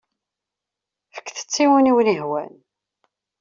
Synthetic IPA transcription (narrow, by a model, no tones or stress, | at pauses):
fə̥kːθə̥t͡sːiwəniwniɦwæ̰n